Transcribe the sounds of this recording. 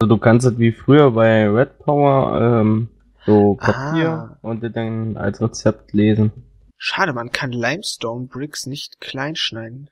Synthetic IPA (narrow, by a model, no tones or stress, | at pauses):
ʔazoduːkʰanstatv̥iːfʁ̥yːɐbaɪʁɛt̚pʰaʊɐɛ̰ːm | z̥oːkʰaiːʊnt̚d̥iːdaɪna̰lsʁet͡sɛp̚tʰleːzn̩ | ʃaːɾəmankʰanlaɪmstɔɐmbʁɪksnɪçtkʰl̥aɪnʃnaɪdn̩